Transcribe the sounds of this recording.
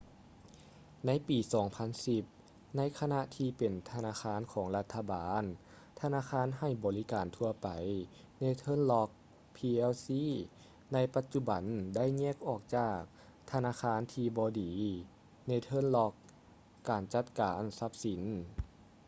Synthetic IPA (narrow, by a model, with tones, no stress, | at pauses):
na˧˥˨jpiː˨˩sɔː˩˦ŋpʰa˧˥˨nsi˧p̚ | na˧˥˨jkʰa˧na˧ʔt̪ʰiː˧pe˨˩nt̪ʰa˧naː˧˥xʰaː˧˥˨nkʰɔː˩˦ŋla˧t̪ʰːa˧baː˨˦n | t̪ʰa˧naː˧˥˨xʰaː˧˥˨nɦa˧˩jbɔː˨li˦˥kaː˨nt̪ʰu˧ɐpa˨˩j | na˧˥˨jt̪ʰɤː˧˥˨nlɔ˧˥k̚ | pʰiː˧ʔɛ˧wsiː˧˥ | na˧˥jpa˧t̪̚t͡ɕu˧˩ba˨˩nda˥˩˨jɲɛ˧˥˨k̚ʔɔː˧˩k̚t͡ɕaː˧˩k̚ | t̪ʰa˧naː˧˥˨xʰaː˧˥˨nt̪ʰiː˧bɔː˧diː˨˦ | na˧˥˩jt̪ʰɤː˧˥˨nlɔ˧˥kː | aː˨˩nt͡ɕa˧˩t̪̚kaː˨˦nsa˧˥p̚si˨˦n